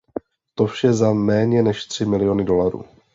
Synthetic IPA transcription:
t̪ofʃɛzamɛːɲɛnɛʃt̪r̝̥ɪmɪlɪjo̞nɪdo̞laɾṵː

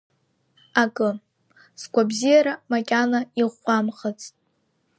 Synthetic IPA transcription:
akʼɨ | sɡʷʼabzijaɾamakʲʼanaiʁʷːamχat͡sʼtʼ

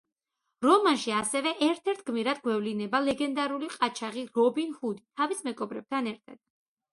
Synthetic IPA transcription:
ɾɔmanʃiasɛvɛʔɛɾt̪ʰɛɾt̪ʰɡmiɾad̪̚ɡwɛvlinɛbalɛɡɛnd̪aɾuliqʼat͡ʃʰaʁiɾɔbinhud̪it̪ʰavismɛɡɔbɾɛb̚t̪ʰanɛɾt̪ʰa̰d̪̥̚

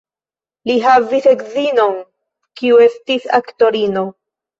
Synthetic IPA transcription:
liɦavise̞kzino̞n | kiue̞stisa̰kto̞ɾino̞

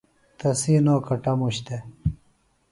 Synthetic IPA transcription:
t̪ɐsiːnoːkɐʈɐmuɕt̪e

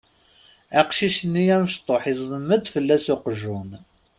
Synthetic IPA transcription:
æqʃiʃənːijæməʃt̪ˤoħizːˤəmːəd̪fəlːæsʊqʒun

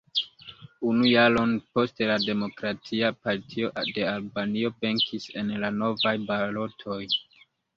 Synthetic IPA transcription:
unujalo̞npo̞stelade̞mo̞kɾatʰiapaɾtʰio̞ʔde̞albanio̞be̞ŋkʰise̞nlano̞vajbalo̞tʰo̞j

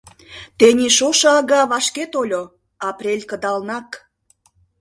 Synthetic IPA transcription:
t̪enʲiʃoʃɤɑɣɑβɑʃket̪olʲo | ɑprʲelʲkə̆d̪ɑlnɑk

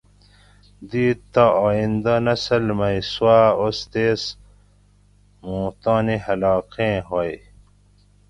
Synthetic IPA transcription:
d̪iːt̪ːaaːind̪anɐsɐlmɐisuaːost̪eːs | mõːt̪aːnihɐlaːqẽːɦoj

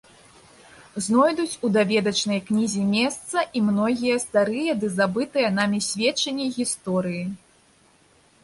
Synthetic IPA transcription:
znɔjd̪ut͡sʲud̪avʲɛd̪ɐt͡ʂnɐjknʲizʲimʲɛst̪sɐʔimnɔɣʲijɐst̪aɾɨjɐd̪ɨzabɨt̪ɨjɐn̪amʲisʲvʲɛt͡ʂːɐnʲːiɣʲist̪ɔɾɨji

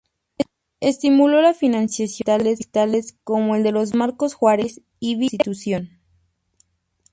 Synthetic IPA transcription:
est̪imulo̞lafinãnsjasj̪alest̪ale̞sko̞mo̞e̞ld̪e̞lo̞zmaɾko̞sxwaɾes | iβist̪it̪usjo̞n

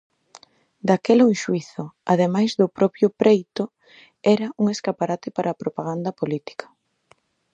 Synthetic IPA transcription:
d̪akeloẽʃuiθʊaðemajzðʊpɾɔpɾjʊpɾejt̪ʊ | ɛɾɐuŋeskapaɾat̪ɪpaɾʔaːpɾopaɣ̞and̪ɐpolit̪i̥kʰɐ̥

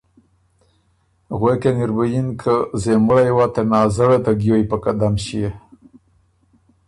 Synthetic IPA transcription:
ɣwekeniɾbəjinkʰəzeməɽajwat̪enɑːzəɽet̪aɡjojpəkad̪amʃije

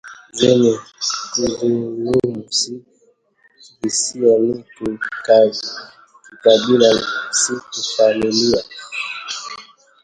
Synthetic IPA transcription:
zɛɲɛkuvinimusi | bisianikika | ikabilamusikufamilia

